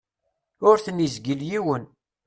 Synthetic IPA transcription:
ʊɾθənjizɡəljiwən

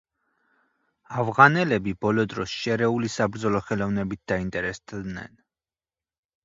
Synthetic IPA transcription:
avʁanɛlɛbibɔlɔd̪ɾɔsʃɛɾɛulisabɾd̪zɔlɔχɛlɔvnɛbit̪̚d̪̥aint̪ʼɛɾɛst̪ʰnɛ̰n

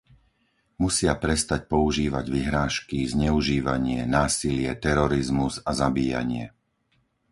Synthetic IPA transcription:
musɪapɾɛst̪ac̚pɔuʒiːʋaɟʋiɦɾaːʃkizɲɛuʒiːʋaɲɪɛnaːsilɪɛt̪ɛɾɔɾizmuzazabiːja̰ɲɪɛ̰

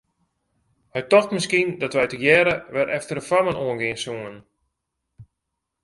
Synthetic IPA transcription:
ʋɛjtɔxtməskindɔtʋɛjtəjɛɾəʋɛɾʔɛftərəfamənoənɡɪənsuən

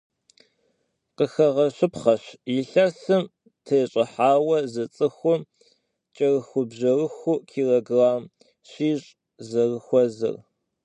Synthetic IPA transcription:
qəxɐʁɐɕɨpχɐɕjɪɬɐrsɨm | tʰɐɕʼɐħaːwɐzɐt͡sʼɨxʷʊ | t͡ʃʼɐrɨxʷʊbʑɐrɨxʷʊkʰiːrɐɡraːm | ɕiːɕʼ | zɐrɨxʷɔzɨ̰r

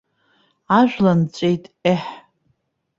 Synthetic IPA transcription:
aʒʷᶣlant͡ɕʷʼejtʼeħ

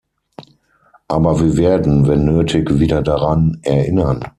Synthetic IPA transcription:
ʔaːbɐviːɐveːɐdn̩vɛnːøːtʰɪkv̥iːdɐdaʁanʔɛɐʔɪ̰nɐn

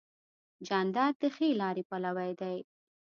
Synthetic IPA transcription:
d͡ʒand̪ɑɾ̚d̪əxelɑɾepalawajd̪aj

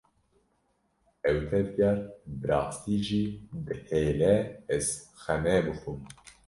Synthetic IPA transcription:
ɛwt̪ʰɛd̪jaɾbɨɾɑːst̪iːʒiːd̪ɨheːlɛɛzxɛmɛbɨxum

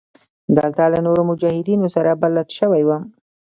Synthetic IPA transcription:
d̪alt̪alanoɾomʊd͡ʒɑhɪd̪inosaɾabalːat̪ʃəwajwəm

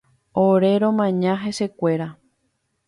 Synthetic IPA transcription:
oɾe̞ɾõmãɲãɦe̞se̞kʷe̞ɾa

